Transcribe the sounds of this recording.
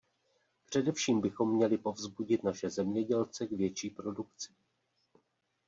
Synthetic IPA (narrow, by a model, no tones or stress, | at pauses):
pr̝̥ɛdɛfʃiːmbɪxo̞mːɲɛlɪpo̞vzbuɟɪt̪naʃɛzɛmɲɛɟɛlt͡sɛɡvjɛt͡ʃiːpɾo̞dukt͡sɪ̥